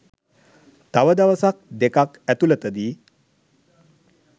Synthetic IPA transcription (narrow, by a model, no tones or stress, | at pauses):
t̪aʋəd̪aʋəsak̚d̪ekakæt̪ulət̪əd̪i